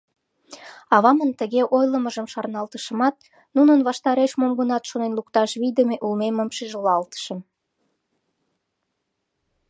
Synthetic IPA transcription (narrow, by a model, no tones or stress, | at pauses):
ɑβɑmənt̪əɣeʔojləməʒəmʃɑrnɑlt̪əʃəmɑt̪̚ | nunənβɑʃt̪ɑɾeʃmomɡənɑt̪ʃonenlukt̪ɑʃβid̪əmeʔulmeməmʃiʒolɑlt̪ə̥ʃə̆m